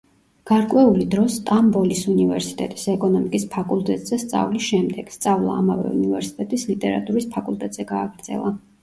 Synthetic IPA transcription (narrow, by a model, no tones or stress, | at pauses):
ɡ̥aɾkʼwɛulid̪ɾɔst̪ʼambɔlisunivɛɾsi̥t̪ʼɛt̪ʼisɛkʼɔnɔmikʼispʰakʼult̪ʼɛt̪ʼz̥ɛst̪sʼa̰vlisʃɛmd̪ɛɡ̥st̪sʼavlˠa̰ːmavɛ̰ṵnivɛɾsi̥t̪ʼɛt̪ʼislit̪ʼɛɾa̰t̪ʼuɾispʰakʼulˠt̪ʼɛt̪ʼz̥ɛɡaːɡɾd̪zɛ̰lˠa